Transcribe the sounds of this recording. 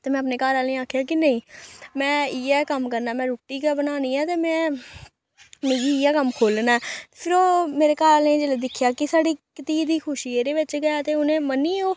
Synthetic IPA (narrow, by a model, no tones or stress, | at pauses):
t̪eːmɛ̃ːəpneːkaːɾaːlẽːaːkʰjaːkɪnəĩːmɛ̃ːiːɛːkəmkəɾnaːmɛ̃ːɾuːʈːiːkɛbənaːniːɛːt̪eːmɛ̃ː | mẽːɡiːɪːɛːkəmkʰoːlnɛːpʰɪɾoːmeːɾeːkaːɾaːlẽːd͡ʒeːlad̪ɪkʰːjaːkɪsaːɽiːkət̪iːd̪iːkʰʊʃiːeːd̪eːʋɪt͡ʃɡəjaːt̪eːʊnẽːmənːiːoː